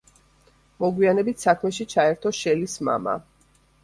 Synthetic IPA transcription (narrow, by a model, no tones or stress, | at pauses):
mɔɡwianɛbit̪ʰsakʰmɛʃit͡ʃʰaɛɾt̪ʰɔʃɛlisma̰ma̰